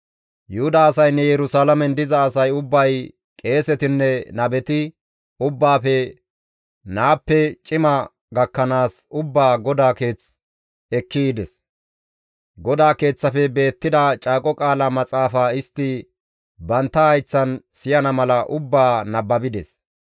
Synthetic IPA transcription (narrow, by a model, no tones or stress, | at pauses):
jʊhʊd̪aːsɐjnːɛjɛɾʊsaːlɐmɛnd̪ɪzɐːsɐjʊbːɐj | kʼe̞ːsɛt̪ɪnːɛnɐbɛt̪ɪ | ʊbːaːfɛ | naːpːɛt͡ʃʼɪmɐ | ɡɐkːɐnaːsʊbːaːɡɔd̪aːke̞ːt͡s | ɛkːid̪ɛs | ɡɔd̪aːke̞ːt͡sːɐfɛbe̞ːt̪ːɪd̪ɐt͡ʃʼaːkʼɔkʼaːlɐmɐt͡sʼaːfaːɪst̪ːɪ | bɐnt̪ːɐhɐjt͡sːɐnsɪjɐnɐmɐlɐʔʊbːaːnɐbːɐbɪd̪ɛs